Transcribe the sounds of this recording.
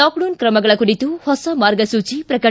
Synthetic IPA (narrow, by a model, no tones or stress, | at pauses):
aːkɖoːnkɾɐmɐɡɐɭɐkːʊɽɪt̪ːɯhɔsɐmaːɾɡɐsuːt͡ʃːipɾɐkɐ